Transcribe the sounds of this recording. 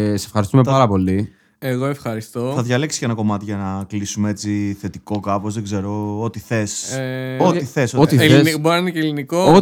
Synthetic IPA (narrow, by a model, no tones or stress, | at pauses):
sesefxɐɾist̪umepɐɾɐpo̞li | eɣo̞e̞fxɐɾist̪o̞θɐðʝɐle̞ksi̥ce̞nɐko̞mɐt̪iʝɐnɐklisumee̞t͡siθe̞t̪iko̞kɐpo̞zðe̞ɡze̞ɾo̞ot̪iθe̞s | ot̪iθe̞sooieboɾɐɐnecelinikoo